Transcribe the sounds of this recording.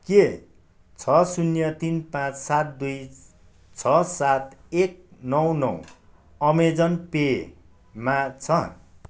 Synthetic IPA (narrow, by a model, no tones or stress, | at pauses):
ke | t͡sʰʌsunjʌt̪inpãt͡ssat̪̚d̪uj | t͡sʰʌsat̪ek̚nʌwnʌ̰w | ʌmed͡zʌnpe | mat͡sʰʌ